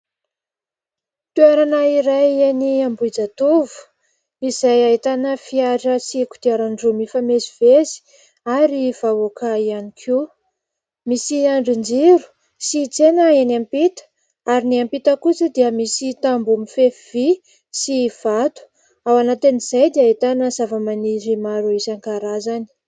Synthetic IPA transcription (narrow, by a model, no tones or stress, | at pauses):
t̪uaɾanaiɾajeniambuid͡zat̪uvu̥ | iz̥ajaɦit̪anəfiaʈ͡ʂəsiku̥t̪iaɾaɳɖ͡ʐumifamezivezi̥ | aɾiv̥aokʰaianikʰu | misiaɳɖ͡ʐind͡ʒiɾu̥ | sit͡senəenampit̪ə̥ | aɾiniampit̪əkut͡səd̪iəmisit̪ambumifefvi | siv̥at̪u̥ | awanat̪aniz̥ajd̪iaɦit̪anəzavəmaniɾimaɾuisaŋkaɾazani̥